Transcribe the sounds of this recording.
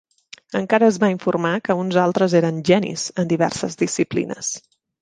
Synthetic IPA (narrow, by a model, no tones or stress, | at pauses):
əŋkaɾəːzβaiɱfurmakəunzalˠt̪ɾəzeɾənʒɛnḭz̥ənd̪iβɛ̰rsəzðisiplḭnə̰s